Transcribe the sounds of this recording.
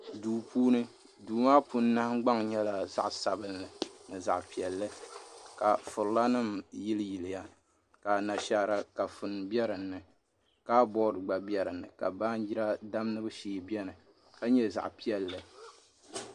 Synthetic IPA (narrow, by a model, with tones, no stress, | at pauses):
duː˨puː˦nɨ˦ | duː˨maː˦pu˦n˦nːa˦hɡ͡ba˦ŋɲɛ˦la˨za̰˨ʔsa˨bɨ˦nlɨ˨nɨ˨za̰˨ʔpi˨ɛ˨lːɨ˦ka˨fʊ˨ɾla˦nɨ˦mjɪ˦lɨ˦ji˨lɨ˨ja˦ | ka˨na˨ʃa˨ɾa˨ka˨fʊ˨nbi˦ɛ˦ɾɨ˨nːɨ˨ | ka˦bɔ˦ɾɨ˨ɡ͡ba˨bɛ˦ɾɨ˨nːɨ˨ka˨ba˦n˦d͡ʒi˦ɾa˦da˦mnɨ˦bɨ˦ʃiː˨bjɛ˦nɨ˨ | ka˦ɲɛ˦za̰˨ʔpi˦ɛ˨lːɨ˨